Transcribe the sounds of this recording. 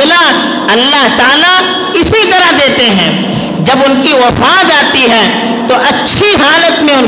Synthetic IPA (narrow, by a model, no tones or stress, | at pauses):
ɪla | ɐlːaɦt̪aːla | ɪsit̪ɐɾaɦd̪eːt̪eɦɛ̃ː | d͡ʒɐbʊnkiwɐfaːd͡ʒaːt̪iɦɛː | t̪oʔɐtːʃʰiɦaːlət̪mẽʊn